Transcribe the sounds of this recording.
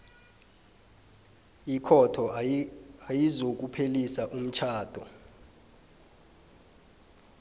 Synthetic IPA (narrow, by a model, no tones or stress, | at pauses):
ikʰɔtʰɔ | ajizok̬upʰelisaʔum̩t͡ʃʰaːd̥ʱɔ